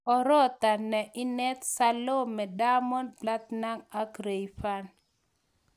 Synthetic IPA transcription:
ɔ˨ɾɔ˦t̪a˨nːɛ˨ʔɪ˦nɛ˦t̪sa˦lo˦mɛ˨da˦mɔ˦npla˦t̪na˦ŋa˦kɾe˨jfa˦n

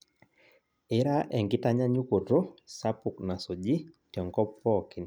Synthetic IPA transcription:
ɪ˦ɾa˦ʔɛ˨ŋɡɪ˦ta˦ɲa˦ɲu˦ko˨do˦sa˦pu˨kna˨so˨d͡ʒi˦tjɔ˨ŋɡɔ˦pːɔki˨n

